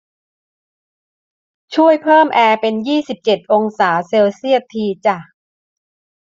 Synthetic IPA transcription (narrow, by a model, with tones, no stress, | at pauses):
t͡ɕʰu˥˩əjpʰɤː˥˩mʔɛː˧pe˧njiː˥˩si˨˩p̚t͡ɕe˨˩t̪̚ʔo˧ŋsaː˩˦seː˧wsi˥˩ət̪ʰːiː˧t͡ɕa˨˩